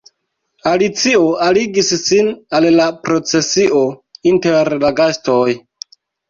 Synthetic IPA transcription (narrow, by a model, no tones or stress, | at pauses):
alit͡sio̞aliɡisːinallapɾo̞t͡se̞siʔo̞inte̞ɾlaɡastoj